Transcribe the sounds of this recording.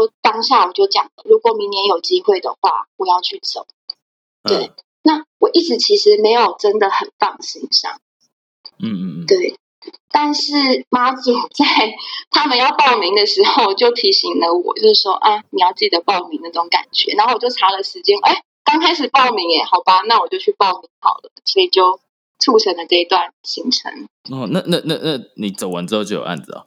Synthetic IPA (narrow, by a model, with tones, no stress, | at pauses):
o˥˩ʊt̪ɑ˥ŋɕɑ˥˩wɔ˨˩t͡ɕjo˥˩ʊt͡ɕjɑ˨˩ŋlə˦ɻu˧˥kwɔ˨˩mi˧˥ŋnjɛ˧˥njo˨˩ʊt͡ɕi˥xwe˥˩ɪd̪ə̰˨xwa̰˥˩wɔ˨˩jɑ˥˧ʊt͡ɕʰy˥˩t͡so̰˨˩˦ʊ | t̪we˥˩ɪ | na˥˩wɔ˨˩ʔi˥˩ʈ͡ʂɻ̩˧˥t͡ɕʰi˧˥ʂɻ̩˧˦me˧˥ɪjo˨˩ʊʈ͡ʂə˦nd̪ə˨xə˨˩nfɑ˥˧ŋɕḭ˧˥ŋʂɑ̰˥˩ŋ˥˩ | t̪we˥˩ɪ | t̪a˥˧nʂɻ̩˥˩ma˥t͡su˨˩t͡sa˥˩ɪt̪ʰa˥mə˨njɑ˥˧ʊpɑ˥˩ʊmi˧˥ŋd̪ə˨ʂɻ̩˧˥xo˥˧ʊt͡ɕjo˥˩ʊt̪ʰi˧˥ɕi˧˥ŋlə˧wɔ̰˨˩˦t͡ɕjo˥˧ʊʂɻ̩˥˩ʂwɔ˥ʔa˥˩ɪni˨jɑ˥˧ʊt͡sɹ̩˥˩t͡ɕi˨˩d̪ə˩pɑ˥˩ʊmi˧˥ŋna˥˩ʈ͡ʂʊ˨˧˥ŋka̰˨˩nt͡ɕɥɛ̰˧˦na˧˦˥wɔ˨˩jo˥˩ʈ͡ʂʰa˧˥lə˨ʂɻ̩˧˥t͡ɕjɛ˥nʔe˥˩ɪ | kɑ˥ŋkʰa˥ɪʂ̬ɻ̩˨˩pɑ˥˩ʊmi˧˥ŋjɛ˨˩xɑ˨˩ʊpa˥na˥˩wɔ˨˩t͡ɕjo˥˧ʊt͡ɕʰy˥˧pɑ˥˩ʊmi˧˥ŋxɑ̰˨˩ʊlə̰˦swɔ˧˥i˨˩t͡ɕjo˥˩ʊ | ʈ͡ʂʰu˥˩ʈ͡ʂʰə˧˥ŋlə˨ʈ͡ʂɤ˥˧i˧˥t̪wa˥˩nɕi˧˥ŋʈ͡ʂʰə̰˧˦ŋ | ɔ˥˩na˥˧na˥˧na˥˧na˥˩ni˨˩t͡so˨˩ʊwə˧˦nʈ͡ʂɻ̩˥o˥˧t͡ɕo˥˩jo̰˩a̰˥nd͡z̩˨˩ɐ̰˨˩